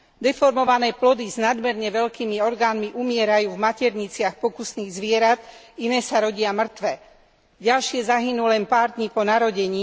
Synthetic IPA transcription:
d̪ɛfɔɾmɔʋanɛːplɔd̪iznad̪mɛɾɲɛʋɛʎkiːmiɔɾɡaːnmiʔumɪɛɾajuːvmacɛɾɲit͡sɪaxpɔkusniːɣzʋɪɛɾat̪ | inɛːsaɾɔɟɪamr̩t̪ʋɛ | ɟalʃɪɛzaɦinuːlɛnpaːɾd̪ɲipɔnaɾɔɟɛɲiː

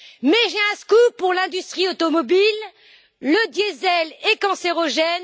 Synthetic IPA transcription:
mɛʒeɛ̃skupuʁlɛ̃d̪yst̪χiot̪ɔmɔbilː | əd̪jezɛlekɑ̃seʁɔʒɛn

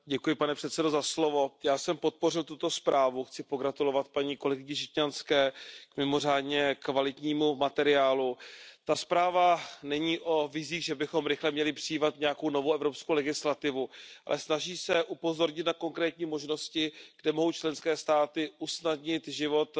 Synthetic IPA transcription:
ɟɛkujɪpanɛpr̥ɛt̪sɛdo̞zaslo̞vo̞jaːsɛmpo̞t̪̚po̞rɪlt̪ut̪o̞spɾaːvuxt͡sɪpo̞ɡɾat̪ulo̞vat̪̚paɲiːko̞lɛɡɪɲɪʃɪcɲanskɛːkmɪmo̞r̝aːdɲɛkvalɪt̪ɲiːmumat̪ɛɾɪaːlut̪aspɾaːvanɛɲiːʔo̞vɪziːɣʒɛbɪxo̞mɾɪxlɛmɲɛlɪpr̥ɪjiːvat̪ɲɛjako̞wno̞vowɛvɾopskowlɛɡɪslat̪ɪvuʔa̰lʔɛsnaʒiːsɛʔupo̞zo̞ɾɲɪt̪nako̞ŋkɾɛːt̪ɲiːmo̞ʒno̞scɪɡ̥dɛmo̞ɦo̞wt͡ʃlɛnskɛːst̪aːt̪ɪʔusnadɲɪt̪ʒɪvo̞t̪

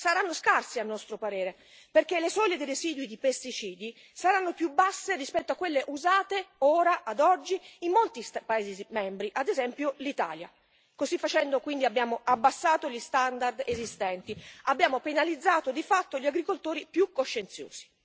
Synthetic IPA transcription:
saɾanːoskarsianːɔst̪ɾopaɾeːɾe | perk̟elːesɔʎːed̪ereziːd̪wid̪ipest̪it͡ʃiːd̪i | saɾanːopjubːasːerispɛt̪ːoakːwelːeʔuzaːt̪eoːɾaʔad̪ɔd͡ʒːiimːolt̪ispaeːzizimɛmbɾiʔad̪ezɛmpjolit̪a̰ːlja̰ | kozifːat͡ʃɛnd̪okwind̪iabːjaːmoʔabːasːaːt̪oʎist̪and̪ard̪ezist̪ɛnt̪iabːjaːmopenalid̪zːaːt̪od̪ifat̪ːoʎiaɡɾikolt̪oːɾipjukːoʃːent̪sjo̰ːz̥i̥

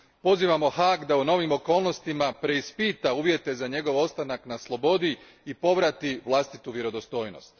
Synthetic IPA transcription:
po̞ziːʋamo̞haːɡd̪auno̞ʋimo̞ko̞ːlˠno̞st̪imapɾe̞ispiːt̪auːʋje̞t̪e̞zaɲe̞ɡo̞ʋo̞t̪st̪anaknaslˠo̞bo̞d̪i | ipo̞ʋɾat̪iʋlˠast̪it̪uʋjeɾo̞d̪o̞st̪o̞ːjno̰st̪

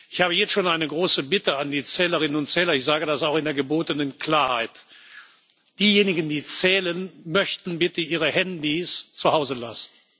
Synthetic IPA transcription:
ʔɪçhaːbəjɛt͡stʃoːnaɪnəɡʁoːsəbɪtəandiːt͡sɛːləʁ̞ɪnənʊntt͡sɛːlɐɪçz̥aːɡədasaʊxɪndeːɐɡəboːtənənkl̥aːɐhaɪt | d̥iːjeːnɪɡn̩diːt͡sɛːlənmœçtn̩bɪtəiːʁəhɛndist͡suhaʊzəla̰sn̩

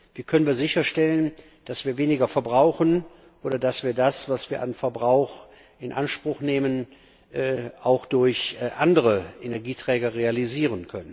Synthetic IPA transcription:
v̥iːɐkʰœnənviːɐzɪçɐʃtɛlən | d̥asv̥iːɐveːnɪɡɐfɛɐbʁaʊxən | ʔoːɾɐdasv̥iːɐdasv̥asv̥iːɐʔanfɛɐbʁaʊx | ɪnʔa̰nʃpʁ̥ʊxneːmən | ʔːʔaʊxd̥ʊɐçʔandəʁəʔenɛɐɡiːtʁ̥ɛːɡɐʁealiziːʁənkʰœnən

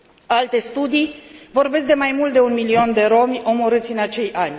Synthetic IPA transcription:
alt̪e̞st̪ud̪ijvo̞rbe̞s̬k̚d̪e̞majmult̪̚d̪e̞unmilio̞nd̪e̞ɾo̞mʲo̞mo̞ɾɨt̪sʲɨnat͡ʃe̞jʔanʲ

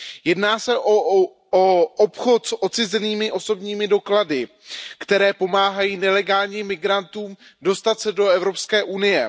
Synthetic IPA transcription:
jɛdnaːsɛʔo | oʔopxo̞t̪sʔot͡sɪzɛniːmɪʔo̞so̞bɲiːmɪdo̞kladɪ | kt̪ɛɾɛːpo̞maːɦajiːnɛlɛɡaːlɲiːmːɪɡɾant̪uːmdo̞st̪at̪sɛdo̞ɛvɾo̞pskɛːʔunɪjɛ

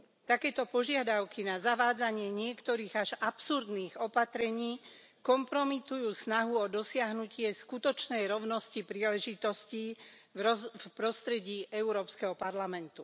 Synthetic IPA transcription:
t̪akɛːt̪ɔpɔʒɪad̪aʊkinazaʋaːd͡zaɲɪɛɲɪɛkt̪ɔɾiːɣaʒapsuɾd̪niːɣɔpat̪ɾɛɲiː | kɔmpɾɔmit̪ujuːsnaɦuɔd̪ɔsɪaɦnucɪɛskut̪ɔt͡ʃnɛjɾɔʊnɔscipɾiːlɛʒit̪ɔsciː | fpɾɔst̪ɾɛɟiːʔɛuɾɔːpskɛɦɔpaɾlamɛnt̪u

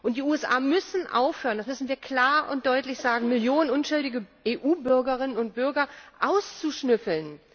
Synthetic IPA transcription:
ʔʊnt̚d̥iuːɛsʔa̰ːmʏsn̩ʔa̰ʊfhøːʁəndasmʏsn̩viːɐkl̥aːɐʔʊnt̚d̥ɔʏtlɪçz̥aːɡŋ̩mɪljoːnənʔʊnʃʊldɪɡəʔeːʔuːbʏɐɡɐʁɪnənʊnt̚b̥ʏɐɡɐʔaʊst͡suʃnʏfl̩n

